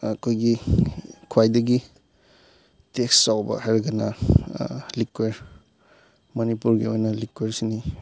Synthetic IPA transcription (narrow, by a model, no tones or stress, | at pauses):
ɐkʰojɡi | kʰwajdɐɡi | teksːawbɐ̰hajɾɡɐnɐ | likweɾ | mɐnipuɾɡiojnɐlikweɾsini